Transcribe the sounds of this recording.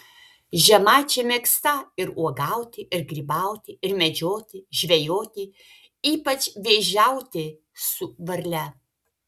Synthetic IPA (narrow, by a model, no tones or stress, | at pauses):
ʒʲɛmɑːt͡ʃʲɛmʲeːkst̪ɐɪɾuɔɡɐʊt̪ʲɪʔɪɾɡɾʲiːbɐʊt̪ʲɪɪɾmʲɛd͡ʒʲoːt̪ʲɪʒʲʋʲɛjoːt̪ʲɪ | iːpɐt͡ʃʲʋʲeːʒʲæʊt̪ʲɪ | sʊʋɐɾʲlʲɛ